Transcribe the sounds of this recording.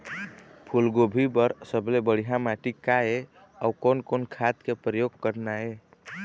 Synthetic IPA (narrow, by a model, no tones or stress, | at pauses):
pʰulɡobʱibəɾsəblebəɽ̤iɦamaʈikae | aukonkonkʰat̪kepɾəjoɡkəɾnae